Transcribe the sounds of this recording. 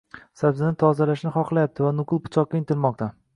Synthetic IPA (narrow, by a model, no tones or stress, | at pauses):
sabzɪnɪt̪ʰɒzalaʃnɪχɒqlˠajap̚t̪ʰɪvanʊqɨlˠpʊ̥t͡ʃʰɒq̚ːʲaɪnt̪ʰɪlmɒq̚t̪ʰa